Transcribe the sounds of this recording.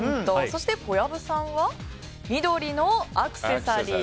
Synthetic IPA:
d̪oso̞ɕi̥t̪e̞ko̞jabɯ̟sãβa | mʲid̪o̞ɾʲinoakɯ̟̥se̞saɾʲiː

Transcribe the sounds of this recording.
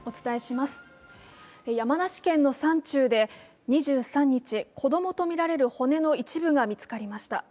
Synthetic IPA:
o̞t͡sɨ̥t̪ae̞ɕimasɨ̥ | ejamanaɕi̥kẽ̞nːo̞sãɲt͡ɕɨːd̪e̞ | ɲ̟iʑɨːsãɲ̟ːit͡ɕikʰo̞d̪o̞mo̞t̪o̞mʲiɾaɾe̞ɾɯ̟ho̞ne̞no̞it͡ɕibɯ̟ɡamʲit͡sɨ̥kaɾʲimaɕi̥t̪a̰

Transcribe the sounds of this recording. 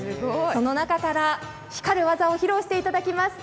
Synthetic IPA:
ɨɡoso̞no̞nakakaɾa | çi̥kaɾɯ̟βazaoçiɾo̞ːɕi̥t̪e̞it̪ad̪akʲimasɨ̥

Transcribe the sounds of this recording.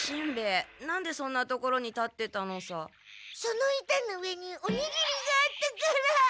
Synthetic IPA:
ɕĩmbe̞ːnãnd̪e̞sõ̞nːat̪o̞ko̞ɾo̞ɲ̟it̪at̪ːe̞t̪ano̞sa | sonoit̪anoɯ̟e̞ɲ̟ioɲ̟ʲiɡimʲiɡaːt̪ːekaɾa

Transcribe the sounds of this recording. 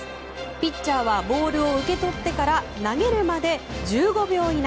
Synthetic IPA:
pʲit͡ɕt͡ɕːaːβabo̞ːɾɯ̟o̞ɯ̟ke̞t̪o̞t̪ːe̞kaɾa | naɡe̞ɾɯ̟mad̪e̞d͡ʑɨːɡo̞bʲjo̞ːɲ̟in

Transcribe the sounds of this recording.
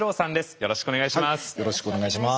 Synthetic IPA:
ɾo̞ːsãnd̪e̞sɨ̥jo̞ɾo̞ɕi̥kɯone̞ɡaiɕimasjoɾoɕi̥kɯoneɡaiɕima

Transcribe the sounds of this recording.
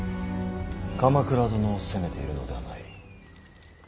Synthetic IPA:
kamakɯ̟ɾad̪onoːsɨ̥seme̞t̪e̞iɾɯ̟no̞̰d̪e̞anai

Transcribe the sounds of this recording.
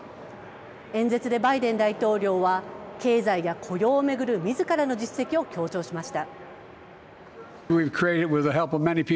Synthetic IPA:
ẽ̞nd͡ze̞t͡sɨd̪e̞baid̪ẽ̞nd̪ait̪o̞ːɾʲo̞ːβake̞ːzaijakʰo̞jo̞ːme̞ɡɯ̟ɾɯ̟mʲizɨkaɾano̞d͡ʑisːe̞kʲio̞kʲo̞ːt͡ɕo̞ːɕimaɕi̥t̪a | wiv̥kʰɹ̥ieɪɾɨd̚wɪðəɦɛlˠpʌvmɛnipʰi

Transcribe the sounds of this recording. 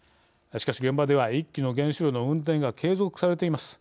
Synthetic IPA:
ɕi̥kaɕiɡembad̪e̞β̞aikʲːino̞ɡẽ̞ɰ̃ɕiɾʲono̞ɯ̟̃nt̪̬ẽ̞ŋɡakʰe̞ːzo̞kɯ̟̥saɾe̞t̪e̞imasɨ̥

